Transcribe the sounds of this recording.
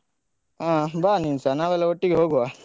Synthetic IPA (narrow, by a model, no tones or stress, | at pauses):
ãbaːninsanaːʋɐlːɐoʈːiɡeɦoːɡuʋa